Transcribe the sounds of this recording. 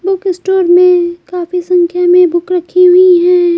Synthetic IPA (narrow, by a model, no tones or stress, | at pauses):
bʊkɪsʈoːɾmẽkaːfisɐ̃ŋkʰjamẽbʊkɾɐkʰiɦʊiɦɛ̃ː